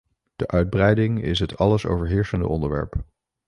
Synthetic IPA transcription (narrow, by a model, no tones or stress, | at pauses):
d̥əʔœɥd̚brɛjdɪŋɪ̰sɦətʰɑləso̰wvəɹɦɪːɹsəndə̰ʔɔndəɹʋɛ̰ɹp